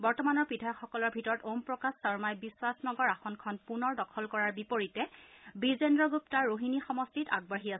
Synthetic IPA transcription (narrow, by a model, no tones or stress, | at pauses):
bɔɹtɔmanɔɹpidʱajɔkxɔkɔlɔɹbʱitɔɹɔtompɹɔkassɔɹmajbiswasnɔɡɔɹaxɔnkʰɔnpunɔɹdɔkʰɔlkɔɹaɹbipoɹitɛbizendɹɔɡup̚taɹːoɦinixɔmɔstita̰ɡ̚baɦiasɛ